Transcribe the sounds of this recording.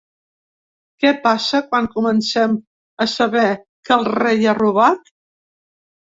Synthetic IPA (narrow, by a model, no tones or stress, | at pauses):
kɛpasəkwaŋkumənsɛm | əsəβɛ | kəlˠrejaruβ̞at̪